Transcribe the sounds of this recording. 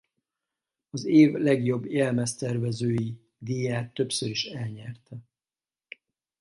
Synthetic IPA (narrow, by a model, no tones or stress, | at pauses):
ɒzeːvlɛɡjo̞bːjɛlmɛst̪ɛrvɛzøːji | d̪ijaːt̪ːø̞psøɾiʃɛlɲɛrt̪ɛ